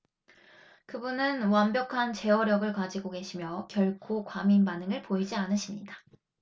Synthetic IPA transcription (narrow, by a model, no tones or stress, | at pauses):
kɯbunɯnwambjʌkʰant͡ɕe̞ʌɾjʌɡɯɭkad͡ʑiɡoke̞ɕʰimjʌkjʌɭkʰokwaminbanɯŋɯɭpoid͡ʑianɯɕʰimɲida